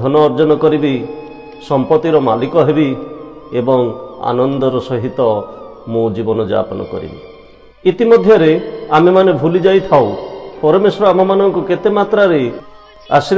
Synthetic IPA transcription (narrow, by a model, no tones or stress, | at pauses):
ɔnɔːɾd͡ʒɔnɔkɔɾibi | sɔmpɔt̪iɾɔmalikɔɦebiebɔŋa̰nɔnd̪ɔɾɔsɔɦit̪ɔmũd͡ʒibɔnɔd͡ʒa̰pɔnɔ̰kɔ̰ɾḭbḭ | it̪imɔd̪ʱjɔɾeamemanebʱulid͡ʒajt̪ʰawpɔɾɔmesɔɾɔam̤ɔmanɔŋkuket̪emat̪ɾaɾe | a̰si